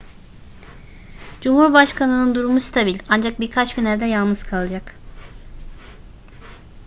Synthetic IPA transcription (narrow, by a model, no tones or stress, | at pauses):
d͡ʒumhuɾbaʃkʰanɯnɯnd̪uɾumust̪ʰabilʲand͡ʒak̚biɾkʰat͡ʃɟynæɾd̪ɛjalˠnɯz̥kʰalˠɯd͡ʒak